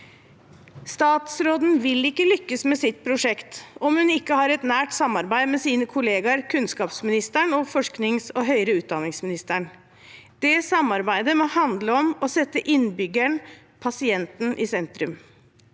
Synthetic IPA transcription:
st̪ɑːt̪sɾoːd̪n̩ʋɪlɪkːəlʏkːəsmɛsɪt̪̚pʰɾʊʂɛkt̪ɔmhʉnɪkːəhɑɾɛt̪næːʈsɑmːɑɾbæɪmɛsiːnəkʰʊleːɡɑɾkʰʉnskɑːpsmɪnɪst̪æɳɔfɔʂknɪŋsɔɦœʏɾəʉːt̪̚d̪ɑnɪŋsmɪnɪst̪əɳ | d̪̥ɛsɑmɑɾbæɪd̪əmɔhɑnd̪ləɔmɔsɛt̪ːəʔɪnbʏɡæɳ | pʰɑsɪɛnt̪n̩ʔɪsɛnt̪ɾʉm

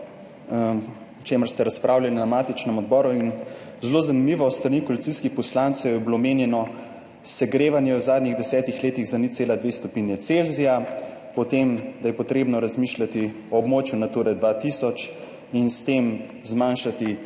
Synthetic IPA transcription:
ɔt͡ʃeməɾst̪ɛɾaspɾʔaːwlʲjɛninamaːt̪it͡ʃnɛmɔd̪̚bɔːɾuin | zlozanimiʋɔst̪ɾanikɔlit̪siskixpɔslant̪sɛwjɛbilomeːnjɛnɔ | sɛɡɾeːʋanjɛwzaːd̪niɣd̪ɛsɛːt̪ixleːt̪iɣzanit̪seːlad̪ʋeːst̪ɔpiːnjɛt̪selzija | pɔt̪emd̪ajɛpɔt̪ɾeːbnɔɾazmiːʃlʲat̪i | ɔːbmoːt͡ʃjunat̪uːɾɛd̪ʋat̪isɔt͡ʃ | inst̪em | zmanʃat̪i

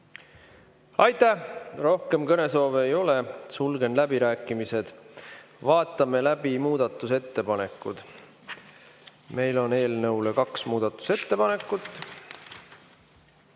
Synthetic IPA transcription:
ɑjt̪ːˑæhro̞hke̞mkɤne̞so̞ːveːjo̞le̞sulɡ̥e̞nlæbiɾæːkːˑimise̞d̪̥ | vɑːt̪ːˑɑme̞læbimuːd̪̥ɑt̪ːˑuse̞t̪ːe̞pɑne̞kːˑud̪̥ | me̞jlo̞ne̞ːlnɤulekɑksmuːd̪̥ɑt̪ːˑu̥se̞t̪ːe̞pɑne̞kːˑut̪ːˑ

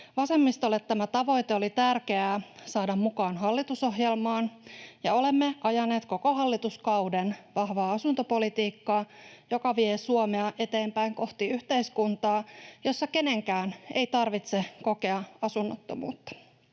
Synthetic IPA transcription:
ʋɑse̞mːist̪olet̪t̪ːæmæt̪ɑʋo̞jt̪eo̞lit̪ærkeæːsɑːdɑmmukɑːnɦɑlːit̪uso̞ɦjelmɑːnjɑ̰o̞le̞mːe̞ʔɑjɑne̞ːt̪ko̞ko̞ɦɑlːit̪uskɑwdenʋɑhʋɑːɑsunt̪opo̞lit̪iːkːɑːjo̞kɑʋiesuomeɑʔe̞t̪e̞ːmpæiŋko̞ht̪iyht̪e̞iskunt̪ɑːjo̞sːɑke̞ne̞ŋkæːnʔḛit̪ɑrʋit̪seko̞ke̞ɑɑsunːot̪ːomṵːt̪ːɑ̥

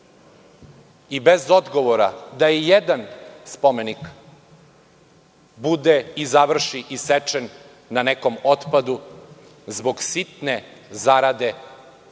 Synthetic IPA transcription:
ibezo̞d̪ɡo̞ʋoɾa̰d̪aijed̪anspomenik | bud̪eizaʋr̩ʃiʔiset͡ʃenː | aneko̞mot̪pad̪u | zbo̞ɡsit̪nezaɾad̪e̞

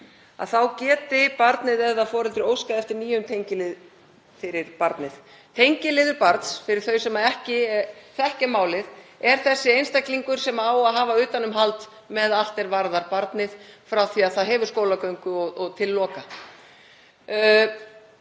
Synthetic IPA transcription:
a̰ðθawcɛːt̪ɪpaɾt̪nɪðɛðaðfɔːɾɪnt̪ɪɾowskaɛft̪ɪɾniːjʏmt̪ʰejɲcɪlɪð | fɪɾɪɾ̥paɾt̪nɪð | t̪ʰejɲcɪlɪːðʏɾpaɾt̪sfɪɾɪɾ̥θœɥsɛmaɛhcɪθɛhcɪmaːwlɪðɛɾ̥θɛsːɪejnst̪ajkliŋkʏɾ̥sɛmaaːwaðɦaːvaʏːt̪anʏmɦalt̪ | mɛðal̥t̪ɛɾvaɾðaɾpaɾt̪nɪð̥fɾawθiaðθaðɦɛːvʏɾ̥skowlakœɥŋkʏɔɣɔɣt̪ʰɪlːɔːka

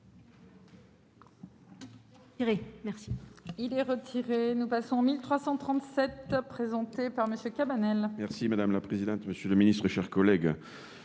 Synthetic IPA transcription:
ʁemɛʁsiilɛʁət̪ʰiʁenupasɔ̃ɑ̃milt̪χwasɑ̃t̪χɑ̃t̪sɛt̪pχezɑ̃t̪epaʁməsjøkʲabanɛlmɛʁsimad̪amlapχezid̪ɑ̃t̪məsjələminist̪χeʃɛʁkɔlɛɡ

